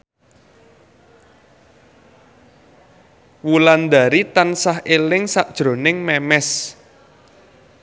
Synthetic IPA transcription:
wuland̪a̤ɾit̪ansahʔelɪŋsaʔd̥ʒ̥ɾo̤nɪŋmɛmɛs

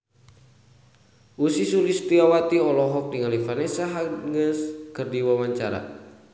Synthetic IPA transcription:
usisulist̪iawat̪iɔlɔɦɔk̚diŋalifanɛsaɦaŋəskərdiwawaɲt͡ʃaɾa̰

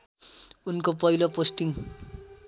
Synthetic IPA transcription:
unkopʌiloposʈiŋ

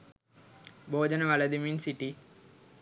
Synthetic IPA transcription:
bʱoːd͡ʑɐnɐʋɐlɐd̪iminsiʈːi

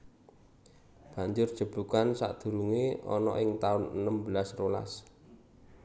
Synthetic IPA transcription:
b̥a̤ɲd͡ʒʊr̥ʒ̥ə̤b̥ṳkansa̰ʔd̪̥ṳɾuŋeɔ̰nɔ̰ʔɪŋt̪aʊnənəmbəlasrola̰s

